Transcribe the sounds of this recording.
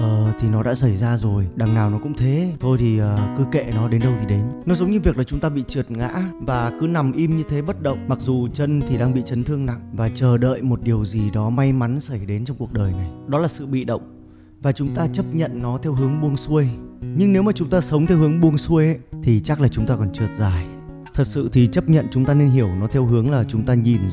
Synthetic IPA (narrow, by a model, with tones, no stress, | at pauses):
ʔəː˨˩t̪ʰi˨˩nɔ˨˦ɗa̰ː˧˥sa˧˩jzaː˧zo˨˩jɗa˨˩ŋnaː˨˩wnɔ˨˦kʊ̰˧˥ŋ͡mt̪ʰe˨˦t̪ʰo˧jt̪ʰi˨˩əː˨˩kɨ˨˦kḛ˧˨nɔ˨˦ɗe˨˦nɗə˧wt̪ʰi˨˩ɗe˨˦nnɔ˨˦zə˨˦wŋ͡mɲɨ˧vi˨˩ək̚laː˨˩t͡ɕʊ˨˦ŋ͡mt̪aː˧ɓḭ˧˨t͡ɕɨ˨˩ət̚ŋa̰ː˧˥vaː˨˩kɨ˨˦na˨˩mʔi˧mɲɨ˧t̪ʰe˨˦ɓə˦˥t̚ɗə̰˧˨wŋ͡mma˨˩k̚zu˨˩t͡ɕə˧nt̪ʰi˨˩ɗaː˧ŋɓḭ˧˨t͡ɕə˨˦nt̪ʰɨ˧əŋna̰˧˨ŋvaː˨˩t͡ɕəː˨˩ɗə̰ː˧˨jmo˨˩t̚ɗi˨˩əwzi˨˩ɗɔ˨˦ma˧jma˨˦nsə˧˩jɗe˨˦nt͡ɕɔ˧wŋ͡mku˨˩ək̚ɗəː˨˩jna˨˩jɗɔ˨˦laː˨˩sɨ̰˧˨ɓḭ˧˨ɗə̰˧˨wŋ͡m | vaː˨˩t͡ɕʊ˨˦ŋ͡mt̪aː˧t͡ɕə˦˥p̚ɲə̰˧˨nːɔ˨˦t̪ʰɛ˧wɦɨ˨˦əŋɓu˧əŋsu˧əjɲɨ˧ŋne˨˦wmaː˨˩t͡ɕʊ˨˦ŋ͡mt̪aː˧sə˨˦wŋ͡mt̪ʰɛ˧whɨ˨˦əŋɓu˧əŋsu˧əjʔt̪ʰi˨˩t͡ɕa˦˥k̚laː˨˩t͡ɕʊ˨˦ŋ͡mt̪aː˧kɔ˨˩nt͡ɕɨ˨˩ət̚zaː˨˩j | t̪ʰə˨˩t̚sɨ̰˧˨t̪ʰi˨˩t͡ɕə˦˥p̚ɲə̰˧˨nt͡ɕʊ˨˦ŋ͡mt̪aː˧ne˧nɦi˧˩əwnɔ˨˦t̪ʰɛ˧wɦɨ˨˦əŋlaː˨˩t͡ɕʊ˨˦ŋ͡mt̪aː˧ɲi˨˩m